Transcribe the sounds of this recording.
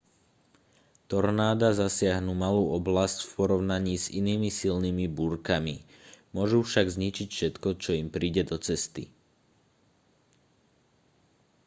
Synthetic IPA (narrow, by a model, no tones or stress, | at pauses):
t̪ɔɾnaːd̪azasɪaɦnumaluːɔblascfpɔɾɔʊnaɲiːzḭniːmisilnimibuɾkami | mʊɔʒufʃaɡzɲit͡ʃicfʃɛt̪kɔt͡ʃɔimpɾiːɟɛd̪ɔt͡sɛst̪ḭ